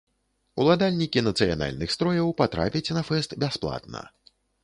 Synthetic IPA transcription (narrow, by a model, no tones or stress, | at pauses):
ulˠad̪alʲnʲikʲinɐt̪sɨja̰na̰lʲnɨxst̪ɾɔjɐwpat̪ɾa̰pʲɐt͡sʲnɐfɛst̪bʲasplˠa̰t̪nɐ̰